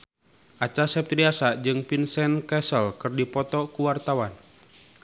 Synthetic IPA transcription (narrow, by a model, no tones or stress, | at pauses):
ʔat͡ʃasɛp̚t̪ɾiasad͡ʒɨŋpinsɛnkɛsəlkɨrdipɔt̪ɔkuwart̪awan